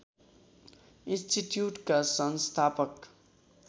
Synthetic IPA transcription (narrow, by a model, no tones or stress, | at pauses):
insʈiʈjuʈkasʌnst̪ʰapʌk